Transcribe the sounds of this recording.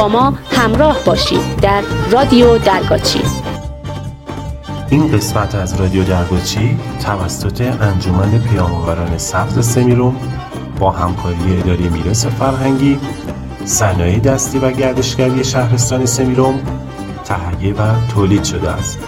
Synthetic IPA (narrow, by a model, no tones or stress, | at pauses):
bɒːmɒːhæmɾɒːhbɒːʃḭːd̪d̪æɾːɒːd̪ijod̪æɾɡɒːt͡ʃʰḭ | ʔinɢe̞smæt̪ʰæzɾɒːd̪ijod̪æɾɡɒːt͡ʃʰit̪ʰævæsːot̪ʰe̞ʔænd͡ʒomæne̞pʰejɒːmɒvæɾɒːne̞sæfzesemiɾom | b̥ɒːhæmkʰɒːɾijeed̪ɒːɾejemiːɾɒːsefæɾɦæŋɟiː | sænɒːjed̪æst̪iːvæɟæɾd̪e̞ʃcæɾije̞ʃæhɾe̞st̪ɒːne̞se̞miɾom | t̪ʰæhæjːevæt̪ʰoːliːd̪̥ʃo̞d̪eæ̰st̪